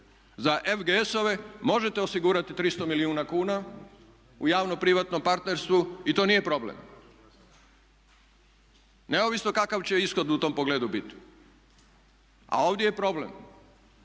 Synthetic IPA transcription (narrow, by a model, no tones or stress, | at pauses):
zaʔefɡeeso̞ʋe̞mo̞ʒet̪e̞osiɡuːɾat̪it̪ɾist̪o̞miliuːnakuːna | ṵjaːʋnopɾiʋat̪no̞mpaɾt̪ne̞ɾst̪ʋuit̪o̞ːnije̞pɾo̞blḛm | ne̞o̞ʋisno̞kakaʋt͡ɕe̞isxo̞d̪ut̪o̞ːmpo̞ɡleːd̪ubit̪i̥ | a̰o̞ːʋd̪je̞jepɾo̞ble̞̰m